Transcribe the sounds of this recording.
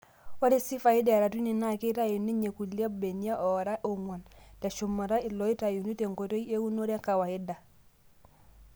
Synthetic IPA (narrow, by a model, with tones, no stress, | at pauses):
wa˦ɾi˦si˦fa˨i˦dɛ˨ɾa˨tu˦ni˨na˦˨ki˦ta˦ju˨nːi˦ɲe˨ku˨lja˦be˨ɲi˦a˦ʔɔ˨ɾa˦ʔo˨ŋwa˨ntɛ˨ʃu˨mːa˨ɾa˦i˨lɔ˨˦i˦ta˨ju˨ni˦te˨ŋko˨to˦i˦e˦wu˦no˦ɾe˦ka˨wa˨i˦da˨